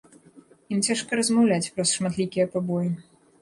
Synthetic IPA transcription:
imt͡sʲaʂkɐɾɐzmawlʲat͡sʲpɾɐsʂmat̪lʲikʲijɐpabɔji

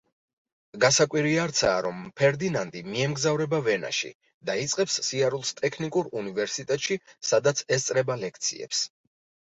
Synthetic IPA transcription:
ɡasakʼwiɾiaɾt̪sʰa̰ːɾɔmpʰɛɾd̪inand̪ʼimiɛmɡzavɾɛbavɛna̰ʃḭ | d̪ait̪sʼqʼɛpsːiaɾulˠst̪ʼɛkʰnikʼuɾunivɛɾsit̪ʼɛt̪ʼʃisad̪at̪sʰɛst̪sʼɾɛbalɛkʰt̪sʰḭɛ̰ps

